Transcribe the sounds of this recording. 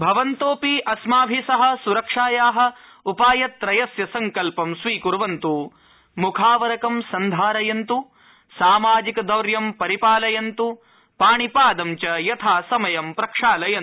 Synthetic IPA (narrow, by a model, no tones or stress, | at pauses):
bʱɐʋɐnt̪oːpiʔɐsmaːbʱisɐɦɐ̆suɾɐkʂaːjaːɦɐ̆ | upaːjɐt̪ːɾɐjɐsjɐsɐŋkɐlpɐmsʋiːkuɾʋɐnt̪u | mukʰaːʋɐɾɐkɐmsɐnd̪ʱaːɾɐjɐnt̪u | saːmaːd͡ʒikɐd̪ɐwɾjɐmpɐɾipaːlɐjɐnt̪u | paːɳipaːd̪ɐmt͡ʃɐjɐt̪ʰaːsɐmɐjɐmpɾɐkʂaːlɐjɐn